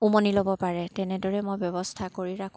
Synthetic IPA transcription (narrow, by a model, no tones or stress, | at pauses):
umonilobɔpaɹɛtɛnɛdɔɹɛmojbjɔbɔstʰakoɹiɹakʰ